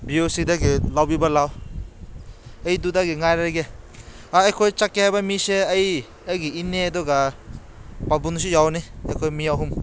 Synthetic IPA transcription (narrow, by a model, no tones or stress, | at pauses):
biosidaɡilawbibalaw | ejdudaɡiŋajɾaɾɡe | aejkʰojt͡ʃakehajbamiseɐj | ɐjɡiinedɔɡa | pabuns̬ujawniekʰojmijawɦum